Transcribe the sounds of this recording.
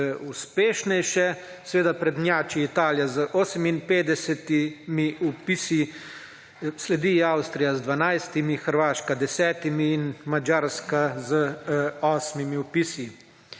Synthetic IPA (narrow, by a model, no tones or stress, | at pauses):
uspeːʃnɛjʃɛ | sɛʋeːd̪apɾɛd̪njaːt͡ʃiit̪aːljazəʔoːsəminpeːd̪ɛsɛt̪imiupisi | slɛd̪iawst̪ɾijazd̪ʋanajst̪imixəɾʋaːʃkad̪ɛsɛːt̪imiːnmad͡ʒaːɾskazəɔːsmimiupisi